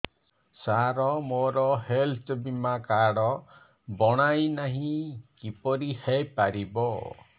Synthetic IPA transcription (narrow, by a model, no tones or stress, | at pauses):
saɾɔmoɾɔhelt̪ʰbimakaɽɔ | bɔɽ̃ajnaɦĩkipɔɾihepaɾibɔ